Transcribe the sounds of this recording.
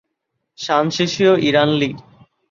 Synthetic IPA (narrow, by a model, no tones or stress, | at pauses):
ʃanʃeʃioʔiɾanliɡ